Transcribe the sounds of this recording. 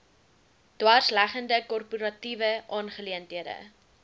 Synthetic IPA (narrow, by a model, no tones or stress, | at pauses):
d̥wɑrslæχəndəkɔrpuɾɑtivəʔɑːnχəliəntɦiədə̰